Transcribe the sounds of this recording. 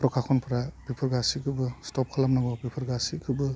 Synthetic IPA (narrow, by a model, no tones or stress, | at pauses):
pɾɔkʰakʰɔnpʰɾapipʰɯɾɡasikʰɯbɯstɔp̚kʰalamnaɡɔpipʰɯɾɡasikʰɯbɯ